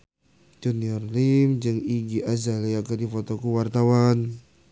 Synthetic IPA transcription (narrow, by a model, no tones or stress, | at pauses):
d͡ʒuniɔrlimd͡ʒɨŋiɡiʔazalijakadifɔt̪okuwart̪awan